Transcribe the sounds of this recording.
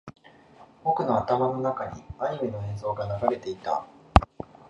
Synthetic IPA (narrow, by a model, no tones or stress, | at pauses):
o̞kɯ̟no̞at̪amano̞nakaɲ̟iaɲ̟ime̞no̞ẽ̞ñso̞ːɡanaɡaɾe̞t̪e̞it̪a̰